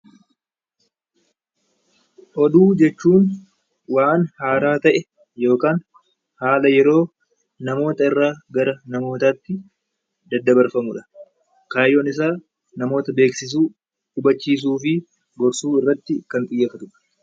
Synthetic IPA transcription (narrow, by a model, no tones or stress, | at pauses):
ʔɔd̪uːd͡ʒɛt͡ʃːuːn | waːnhaːɾaːt̪ɐʔɛ | jo̞ːkaːn | haːlɐjɛɾo̞ː | nɐmo̞ːt̪ɐɪrːaːɡɐɾɐnɐmo̞ːt̪aːt̪ːɪ | d̪ɐd̪ːɐbɐɾfɐmʊᶑɐ̥ | kaːjːonɪs̬aː | nɐmo̞ːt̪ɐbe̞ːksɪs̬uː | ᶑʊbɐt͡ʃːiːs̬uːfɪ | ɡɔɾsuːɪrːɐt̪ːɪkɐnt̪ʼɪjːɐfɐt̪ʊᶑɐ̥